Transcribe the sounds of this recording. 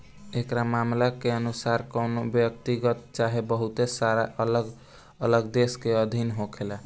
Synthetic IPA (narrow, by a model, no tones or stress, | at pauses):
ekɾamamlakeənusaɾkəwnobjək̚t̪iɡət̪̚t͡ʃaɦebəɦut̪esaɾaləɡ | ələɡd̪eskeəd̪ʱinɦokʰela